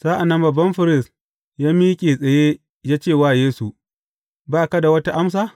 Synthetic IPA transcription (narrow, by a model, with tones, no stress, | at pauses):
saː˦ʔa˨nːɐ˦mbɐ˨bːɐ˦mɸɪ˦ɾɪ˦˨s | jaː˦miː˦kʲʼeː˨sʼɐ˨je˦ | jaː˦t͡ʃeː˦˨waː˦˨jeː˦su˨ | baː˦˨ka˦da˨wɐ˦ta˦ʔa˦ms̬aː˦˨